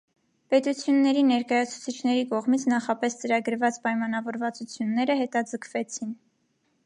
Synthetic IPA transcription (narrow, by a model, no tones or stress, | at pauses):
pɛt̪ut͡sʰjunːɛɾinɛɾkɑjɑt͡sʰu̥t͡sʰit͡ʃʰnɛɾikɔʁmit͡sʰnɑχɑpɛst͡səɾɑɡəɾvɑt͡spɑjmɑnɑvɔɾvɑt͡sut͡sʰjunːɛɾəɦɛt̪ɑd͡zəkʰvɛt͡sʰin